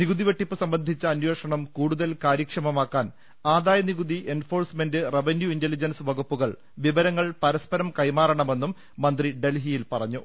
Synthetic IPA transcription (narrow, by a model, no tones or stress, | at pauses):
niɣuðiʋeʈːipːɨsɐmbɐnd̪ʱit͡ɕːɐːnje̞ːʂɐɳɐmkuːɽuðɐlkaːɾjɐkʂɐmɐmaːkːaːn | aːðaːjɐniɣuðiʔe̞nfo̞ːrsme̞ndɨreʋenjuindelid͡ʑɐnsɨʋɐɣupːuɣɐɭ | ʋiʋɐɾɐŋːɐɭpɐɾɐspɐɾɐmkɐjmaːɾɐɳɐme̞nːumː | ɐnd̪riɖe̞lɦijilpɐrɐɲːu